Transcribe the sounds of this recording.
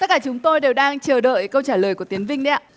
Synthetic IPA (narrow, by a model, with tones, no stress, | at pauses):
t̪ə˦˥t̚kaː˧˩t͡ɕʊ˨˦ŋ͡mt̪o˧jɗe˨˩wɗaː˧ŋt͡ɕəː˨˩ɗə̰ː˧˨jkə˧wt͡ɕaː˧˩ləː˨˩jku˧˩ət̪i˨˦ənvï˧ŋ̟ɗɛ˧˦